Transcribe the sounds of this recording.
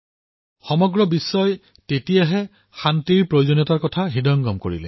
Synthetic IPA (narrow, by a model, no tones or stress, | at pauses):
xɔmɔɡɹɔbisːɔj | tetijaɦɛ | xantiɹpɹojzonɔtaɹkɔtʰaɦidɔŋɡɔmko̰ɹḭlɛ